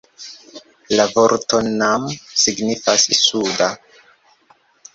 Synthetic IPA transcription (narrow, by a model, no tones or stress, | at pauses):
lavo̞ɾto̞namsiɡnifasisuda